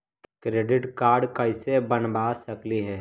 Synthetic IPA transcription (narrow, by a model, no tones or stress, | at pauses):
kɾeːɖɪʈkaːɾɖkəɪsebənbasəkliɦɛː